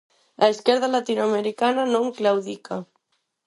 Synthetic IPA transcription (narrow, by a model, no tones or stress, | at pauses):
ʔaeskɛɾðalat̪inuameɾikananõŋklawðika